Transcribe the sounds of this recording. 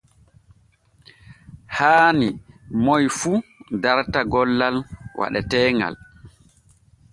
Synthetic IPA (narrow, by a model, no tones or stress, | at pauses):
haːnimɔjfudaɾtaɡɔlːalwa̰ɗɛtɛːŋɡa̰l